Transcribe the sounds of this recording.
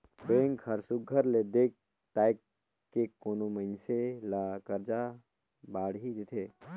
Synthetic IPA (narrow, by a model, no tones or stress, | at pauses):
beŋkʰhəɾsuɡʱəɾled̪eːk̚ | ʈ̪aːjkː | ekonoməɪnselakəɾd͡ʒa | baːɽɦid̪ɪt̪ʰe